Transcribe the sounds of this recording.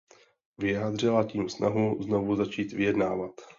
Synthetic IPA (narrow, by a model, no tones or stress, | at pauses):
vɪjaːd̪r̝ɪlaciːmsnaɦuzno̞vuzat͡ʃiːt̪vɪjɛdnaːvat̪